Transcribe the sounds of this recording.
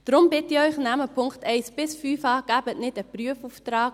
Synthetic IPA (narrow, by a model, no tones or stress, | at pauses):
d̥rʊmbɪtiɔjχnæməpʰʊŋktɛjsb̥ɪsfyːfɑːɡ̥æpətnɪtəpryəfuftrɑːk